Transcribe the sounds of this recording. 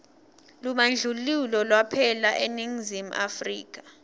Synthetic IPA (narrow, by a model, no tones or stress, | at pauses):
lumand͡ɮʱululɔlwapʰɛlaʔeniŋzim̩ʔa̰frḭːk̬ḁ